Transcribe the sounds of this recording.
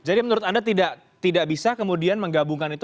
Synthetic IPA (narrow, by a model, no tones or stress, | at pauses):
d͡ʒadimənuɾʊt̪andat̪idaʔ | t̪idaʔbisakəmudianməŋɡabuŋkanit̪